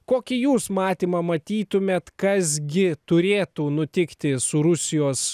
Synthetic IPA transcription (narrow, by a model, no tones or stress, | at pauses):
koːkʲɪjuːsmɑːt̪ʲiːmɐmɐt̪ʲiːt̪ʊmʲeːt̪kɐsɡʲɪt̪ʊɾʲeːt̪uːnʊt̪ʲɪkt̪ʲɪsʊɾʊsʲɪjoːs